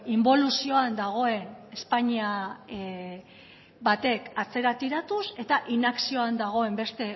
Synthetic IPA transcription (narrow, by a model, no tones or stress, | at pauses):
imbo̞lusio̞and̪aɣ̞o̞e̞ne̞spaɲia | bat̪e̞kat͡se̞ɾat̪iɾat̪use̞t̪aʔinaksio̞and̪aɣ̞o̞e̞mbe̞st̪e̞